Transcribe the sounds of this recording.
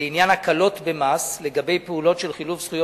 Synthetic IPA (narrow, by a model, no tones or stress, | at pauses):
injanhakalo̞t̪bemasle̞ɡabe̞jpeulo̞tʃe̞lχiluvsχujo